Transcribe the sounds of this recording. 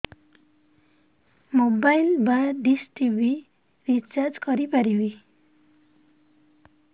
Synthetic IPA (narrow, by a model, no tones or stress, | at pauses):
mobajlbaɖisʈibi | ɾit͡ʃaɾd͡zkʌɾipaɾibi